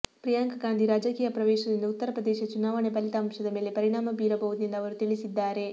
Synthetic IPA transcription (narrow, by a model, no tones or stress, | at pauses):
pɾijaŋkɐɡaːnd̪ʱiɾaːd͡ʒɐkiːjɐpɾɐʋɛːʃɐd̪ind̪ɐut̪ːɐɾɐpɾɐd̪ɛːʃɐt͡ʃunaːʋɐɳepɐlit̪ɐːmʃɐd̪ɐme̞ːle̞pɐɾiɳaːmɐbiːɾɐbɐʋud̪ind̪ɐʋɐɾut̪iɭisid̪ːaːɾe̞